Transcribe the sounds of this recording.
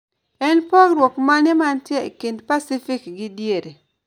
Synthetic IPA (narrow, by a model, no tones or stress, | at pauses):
ɛnpɔɡɾwɔkmanɛmantjɛekendpasɪfɪkɡɪdjeɾe